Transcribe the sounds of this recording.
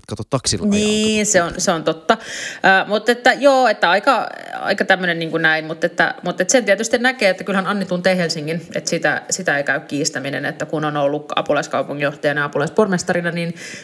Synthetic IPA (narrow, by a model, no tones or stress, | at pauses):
kɑt̪ot̪ːɑksilniːnseonseont̪ot̪ːɑʔəːmut̪ːet̪ːæjoːet̪ːæɑikɑɑ̰ikɑt̪æmːønenniːŋkunæimmut̪ːet̪ːæ̰mut̪ːet̪sent̪iet̪yst̪innækeːet̪ːækylhænɑnːit̪unt̪eːhelsiŋːinḛt̪sit̪æ̰sit̪æeikæykkiːst̪æminḛnḛt̪ːækunonolːukɑ̰pulɑiskɑupuŋːijoht̪ɑjɑneɑɑpulɑispormest̪ɑɾinɑnin